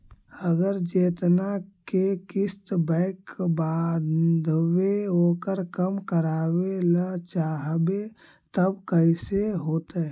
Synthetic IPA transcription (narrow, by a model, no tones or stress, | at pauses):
əɡəɾd͡ʒeːt̪nakekɪst̪bɛ̃ɪkːbaːd̪d̪weoːkəɾkəmkəɾaːwelat͡ʃaːɦbe | t̪əbkəɪseɦoːt̪e